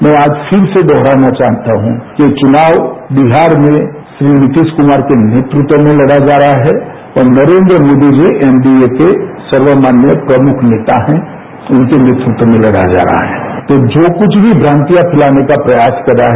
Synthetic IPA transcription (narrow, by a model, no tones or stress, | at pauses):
mɛ̃aːd͡ʒpʰɪɾsed̪ɔɦɾanat͡ʃaɦt̪aɦũkit͡ʃʊnaːwbiɦaːɾmẽ | ʃɾinɪt̪iskʊmaːɾkenet̪ɾʊt̪wəmẽləɽad͡ʒaːɾɦaɦɛ | ɔːɾnəɾeːnd̪ɾəmoːd̪id͡ʒiʔɛːmbiekesəɾʋəmaːnjəpɾəmʊkʰneːt̪aɦɛ̃ | ʊnkenet̪ɾɪt̪wəmẽlɐɽa̰d͡ʒa̰ːɾaa̰ɦɛ̰t̪od͡ʒoːkʊt͡ʃʰbʱibʱɾãːnt̪ijapʰɪlanekapɾəjaːskəɾaɦ